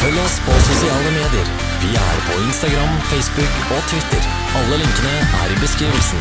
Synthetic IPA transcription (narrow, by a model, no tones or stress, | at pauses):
fœlːəɔspʰɔsʊsɪɑːləmeːd̪ɪə̰ɾ | ʋɪæ̰ɾpʰɔɪnst̪ɑɡɾɑmfɛɪsbʉk | ɔt̪ʰʋɪt̪ʰːəɾ | ɑlːəlɪŋkənəʔæ̰ɾɪbəskɾiːʋəlsn̩